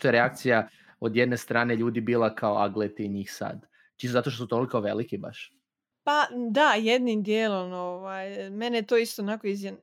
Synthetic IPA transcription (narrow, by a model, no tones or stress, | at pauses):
t̪ojeɾeak̚t̪sija | od̪jed̪ne̞st̪ɾaːne̞ʎuːd̪ibiːlˠakʰaoaɡlet̪eiɲixsa̰d̪ | t͡ʃisozat̪oʃt̪osut̪olˠikoʋelikiba̰ʃ | pad̪ajed̪nimd̪jeːlonoʋajmenejet̪oːist̪onakoizen